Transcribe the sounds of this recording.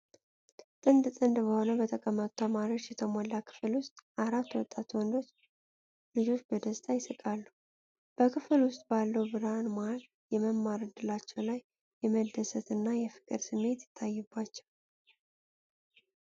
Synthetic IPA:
t̪ʼɨnd̪t̪ʼɨnd̪bəho̞nəbət̪ʰəkʼəmːət̪ʼu̥t̪ʰəmaɾio̞t͡ʃːjɛt̪ʰəmolːakʰɨ̥fɨlwʊst̪ʼʔaɾat̪ːwɔt̪ʼːat̪wɔnd̪o̞t͡ʃː | lɨd͡ʒo̞t͡ʃːbəd̪əst̪ʼajɪsɨkʼalːuu | b̥əkʰɨfɨlwʊst̪ʼbalːəwbɨɾanmaal | jɛməmːaɾɨd̪ɨlat͡ʃːɛwlajː | ɛməd̪ːəsət̪ɨnːajɛfɨ̥kʼɨɾsɨmːe̞t̪jɪ̥t̪ʰːajːɛbːat͡ʃːɛw

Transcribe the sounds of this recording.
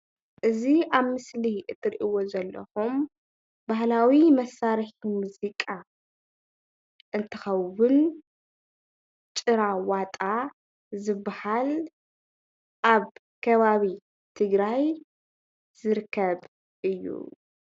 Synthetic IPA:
ʔɨziaβmɨsliʔɨt̪ʰʼːɨɾʔiwo̞zɐlːɐ̰xum | bahlawimɐsːaɾħimuzikʼa | ʔɨnt̪ʰɨxɐwʊn | t͡ʃʼɨɾawat̪ʼa | zɨbːahal | ʔaβ | kʰɐβaβi | t̪ʰɨɡɾaj | z̥ɨɾkʰːɐβ | ʔɨjːṵ

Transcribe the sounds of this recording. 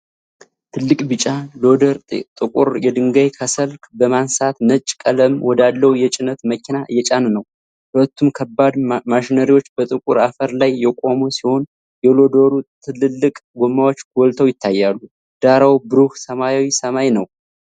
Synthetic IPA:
t̪ʰɨlːɨkʼbɨt͡ʃʼalo̞d̪əɾt̪ʼt̪ʼɨkʼuɾjɛd̪ɨŋɡajkʰəsəlkbəmansat̪nət͡ʃʼkʼələmwɔd̪alːəhujɛt͡ʃʼɪnət̪məkʰinaɨjɛt͡ʃʼannəw | hʊlət̪ːumkʰəbːad̪maʃinəɾiwo̞t͡ʃːbət̪ʼɨkʼuɾafəɾlajːɛkʼo̞mosiho̞n | jɛlo̞d̪oɾut̪ʰɨlɨlːɨkʼɡʷomːawo̞t͡ʃːɡolt̪ʰəwjɪt̪ʰːajːalːu | d̪̥aɾawbɨɾuhsəmajawisəmajnəw

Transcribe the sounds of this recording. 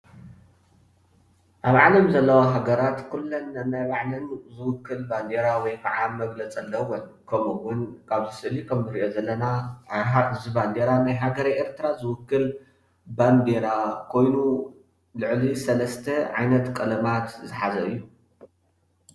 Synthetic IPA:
ʔaβʕalɐmzɐlːɐwoɦaɡɐɾat̪kʰulːonːɐnajβaʕlɨnzɨwʊkːɨlband̪eɾawɔjkʰɐʕamɐɡlɐt͡sʼɐlːɐwon | kʰɐmuwʊnkʰaβzɨsɨɨlikʰɐmzɨɾiʔozɐlːɐnaazɨband̪eɾanajɦaɡɐɾajeɾt̪ʰɨɾazɨwʊkːɨl | band̪eɾakʰo̞jnu | lɨʕlisɐlɐst̪ʰɐʕajnɐt̪kʼɨlɐmat̪zɨħazɐɨ̰jːu

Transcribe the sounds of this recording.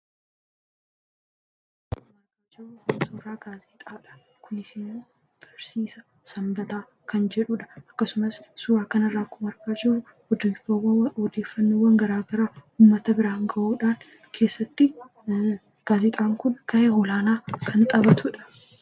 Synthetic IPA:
ʊmɐɾkaːd͡ʒɛʊsuːɾaːɡaːzit̪ʼaːᶑɐ̥ | kʊnɪsɪmːoː | b̥ɐɾsiːsɐ | sɐmbɐt̪aː | kɐnd͡ʒɛᶑuᶑɐ̥ɐkːɐsʊmɐsːuːɾaːkɐnɐrːaːkʊmɐɾɡaːd͡ʒɛʊ | ɔd̪efɐwɐhɔd̪e̞ːfːɐnːoːwːɐŋɡɐɾaːɡɐɾaːuːmːɐt̪ɐbɪɾaːŋɡɐʔuːᶑaːn | kʰe̞ːsːɐt̪ːɪ | ɡ̥aːzɪt̪ʼaːŋkʊnkɐʔehɔlaːnaːkʰɐnt̪ʼɐbɐt̪ʊᶑɐ̥

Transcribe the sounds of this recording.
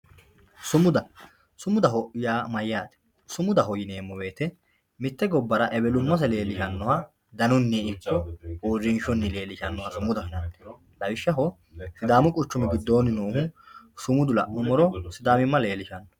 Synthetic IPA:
sʊmʊd̪ɐ | sʊmʊd̪ɐɦɔʔjaːmɐjːaːt̪ɛ̥ | sʊmʊd̪ɐɦɔjɪneːmːɔwe̞ːt̪ɛ | mɪt̪ːɛɡɔbːɐɾɐʔɛbɛlʊmːɐs̬ɐle̞ːlɪʃɐnːɔhɐ | d̪ɐnʊnːɛɪkːɔoːɾɪnʃɔnːɪle̞ːlɪʃɐnːɔhɐsʊmʊd̪ɐhɪnɐnːɛ | lɐwɪʃːɐɦɔ | sɪd̪aːmʊkʼʊt͡ʃːʊmɪɡɪd̪ːo̞ːnɪnoːhʊ | sʊmʊd̪ʊlɐ̰ʔɔmɔɾɔsɪd̪aːmɪmːɐle̞ːlɪʃɐnːɔ̥

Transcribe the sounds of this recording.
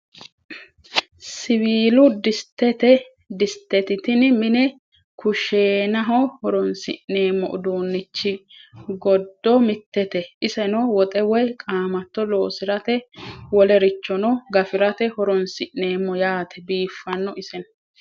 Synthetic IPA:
sɪwiːlʊd̪ɪst̪ːɛt̪ɛ | d̪ɪst̪ːɛt̪ɪt̪ɪnmɪnɛ | kʰʊʃeːnɐɦɔhɔɾɔnsɪ̰ʔeːmːɔ̰ʔʊd̪uːnːɪt͡ʃːɪɡɔd̪ːɔmɪt̪ːɛt̪ɛʔɪsɛnɔwɔt̪ʼɛwɔjkʼaːmɐt̪ːɔloːsɪɾɐt̪ɛwɔlɛɾɪt͡ʃːɔnɔɡɐfɪɾɐt̪ɛhɔɾɔnsɪʔne̞ːmːɔjaːt̪ʰɛ̥biːfːɐnːɔʔɪsɛn

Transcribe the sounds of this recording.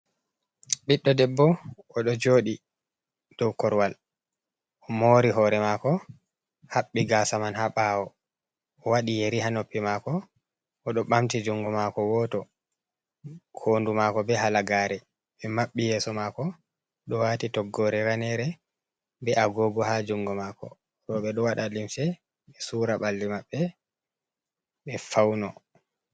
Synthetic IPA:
ɓiɗːɔdɛbːɔ | ɔɗɔd͡ʒoːɗi | d̥ɔwkɔɾwal | ʔɔmoɾiɦɔːɾɛmakɔ | haɓːiɡasamanhaɓawɔ | ɔwaɗijeɾihanopːimakɔː | ɗɔɓamtid͡ʒuŋɡɔmakɔwɔtɔ | kʰoːndumakɔbɛɦalaɡaːɾɛ | ɓɛmaɓːijɛːsɔmakɔ | ɗɔwatitɔɡːɔɾɛɾanɛɾɛ | bɛaɡɔːɡɔhad͡ʒuŋɡɔmakɔ̰ | ɾɔɓɛɗɔwaɗalimsɛ | ɓɛsuːɾaɓalːimaɓːɛ | ɓɛfawnɔ

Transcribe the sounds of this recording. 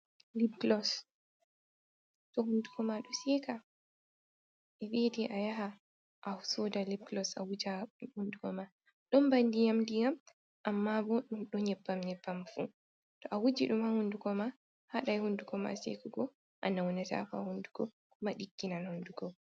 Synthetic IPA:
libklɔs | tɔhunduɡɔmaɗɔsɛːka | ʔɛɓediʔajaɦa | ʔausɔdalib̚klɔsa̰wud͡ʒahunduɡɔma | ɗɔmbandijamndijam | ʔamːabɔɗumɗɔɲɛbːamɲɛbːamfṵ | tɔʔawud͡ʒiɗumhahunduɡɔma | haɗajhunduɡɔma̰sḛkuɡɔ | ʔa̰nawɔnɛta̰fa̰hunduɡɔ̰ | kumaɗiɡːinanhunduɡɔ

